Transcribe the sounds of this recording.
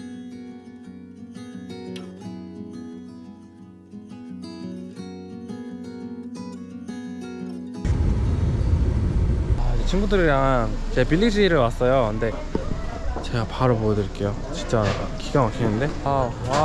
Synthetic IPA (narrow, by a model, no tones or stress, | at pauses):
ad͡ʑet͡ɕʰinɡudɯɾiɾaŋt͡ɕepiʎːid͡ʑiɾɯɭwas͈ʌjokɯnde̞ | t͡ɕe̞ɡapaɾopoʌdɯɾik͈e̞jo | t͡ɕint͡ɕ͈akiɡaŋʌɕ͈ʰinɯnde̞a | a